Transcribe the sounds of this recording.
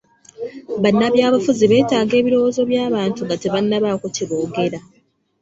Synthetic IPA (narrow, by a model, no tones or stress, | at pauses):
βanːaβjaːβafuziβe̞ːtaːɡe̞ːβiɾo̞woːzo̞βjaːβaːntuŋɡateβanːaβaːkociβo̞ːɡe̞ɾa